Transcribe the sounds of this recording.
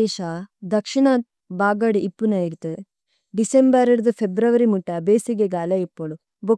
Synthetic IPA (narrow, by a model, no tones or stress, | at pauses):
eːʃɐd̪ɐkʂiɳaːt̪̚ | baːɡɐɽiʔipːunɐiɾt̪u | ɖisembɐɾɐɾd̪upʰebɾɐʋɐɾimuʈːɐbeːsiɡeɡaːlɐipːoɭu | bo